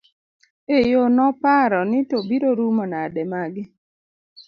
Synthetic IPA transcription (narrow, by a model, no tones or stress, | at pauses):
ejonɔpaɾɔnɪtobiɾoɾumɔnadɛmaɡɪ